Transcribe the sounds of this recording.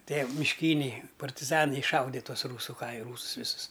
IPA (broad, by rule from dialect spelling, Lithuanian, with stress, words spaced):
ˈtʲiɛ mʲɪʃʲˈkʲiːnʲɛɪ pɐrʲtʲɪˈzɑːnɐɪ ɪʃˈʃɐʊdʲɛ ˈtuɔs ˈruːsʊ ˈkɐɪ ˈruːsʊs ˈʋʲɪsʊs